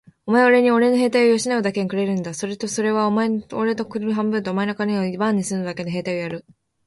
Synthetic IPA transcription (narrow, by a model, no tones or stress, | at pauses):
o̞mae̞oɾe̞ɲ̟io̞ɾe̞no̞ɦe̞ːt̪ajojo̞ɕinaod̪ake̞ɲikɯ̟ɾe̞ɾɯ̟̃nd̪aso̞ɾe̞t̪o̞so̞ɾe̞β̞aomaeoɾe̞t̪okɯ̟ɾɾɯɦãmbɯ̟nt̪oːmae̞nokaɲʲeoibãɲ̟ːisɨnod̪ake̞noɦe̞ːt̪ajojaɾɯ̟